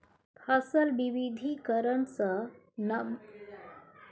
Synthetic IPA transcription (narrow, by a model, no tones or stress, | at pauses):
pʰasəlbiʋid̪ʱikəɾənsə | nə